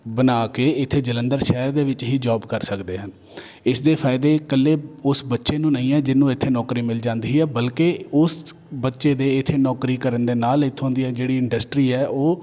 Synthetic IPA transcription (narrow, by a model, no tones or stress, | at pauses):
bənaːkeːɪt̪ʰːeːd͡ʒələ̃nd̪əɾʃɛːɾd̪eːʋɪt͡ʃɦiːd͡ʒɔːbkəɾsəkd̪eːɦən | ɪsd̪eːpʰaːɪd̪eːkəlːeːʊsbətːʃeːnũːnəĩːɛːd͡ʒɪnːũːɪt̪ʰːeːnɔːkɾiːmɪld͡ʒãːnd̪iːɛːbəlkeːʊs | bətːʃeːd̪eːɪt̪ʰːeːnɔːkɾiːkəɾənd̪eːnaːlɪt̪ʰːõːnd̪iːɛːd͡ʒeːɽiːɪ̃ɳɖəsʈɾiːɛːʔoː